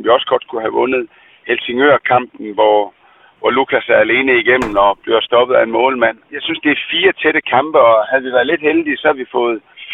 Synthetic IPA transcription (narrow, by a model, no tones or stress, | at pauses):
mʋiɒ̽sɡ̥ɒ̽d̥̚kʰuɦæʋɔ̽nð̞̩ˠ | helse̝ŋøɐkʰɑ̈m̰b̥n̩ʋɒ | ʋɒlukʰæsæɐæle̝ːnəiɡ̥em̰m̩n̩ɒb̥le̝ɐsd̥ɒ̽b̥əð̩ˠæenmɔ̽ːlmæn̰jɑ̈ɪsynsd̥e̝æfiːɐt͡sʰeɾ̥əkʰɑ̈mb̥əɒ̽hæð̩ˠʋiʋæɐðˠle̝d̥held̥isɒ̽hæʋifɔ̽ːð̞̩ˠ